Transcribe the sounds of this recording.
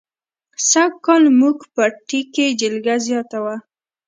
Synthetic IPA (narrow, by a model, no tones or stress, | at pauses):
sakɑlmuɡpəʈiked͡ʒɪlɡazjɑt̪awa